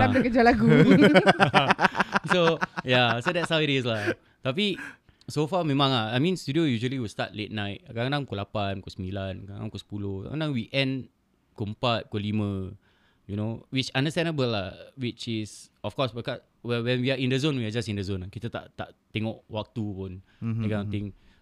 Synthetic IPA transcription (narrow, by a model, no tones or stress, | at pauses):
adəkəd͡ʒalaɡu | sojasodɛtsawədes̬la | t̪ap̬i | sofamɛ̃mãŋaajmĩnst̪udiojuʒuəliwilsta̰t̚let̚najt̚kadãŋkolapankosəmilankadã̰ŋkosə̥pulohka̰kadãŋwiʔɛ̃n | kuəmpat̚kɔlimə̃ | junowit͡ʃãndəst̪ɛ̃nəbəlawit͡ʃisɔfkɔsbəkɔs | wɛwɛ̃nwiaĩndəzõnwiad͡ʒasĩndəzõnakit̪ət̪a̰ʔt̪a̰ʔt̪ɛŋɔʔwak̚t̪upun | ekaãŋt̪ĩŋ